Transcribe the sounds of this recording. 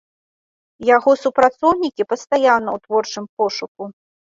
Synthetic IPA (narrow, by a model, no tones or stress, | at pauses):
jaɣɔsupɾat̪sɔwnʲikʲipɐst̪ajanːɐwt̪vɔrt͡ʂɨmp̚ɔʂuk̚u